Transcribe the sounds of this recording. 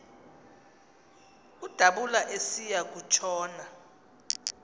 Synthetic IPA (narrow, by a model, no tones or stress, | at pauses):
ud̥ʱaɓulaʔesijak̬ut͡ʃʰɔːna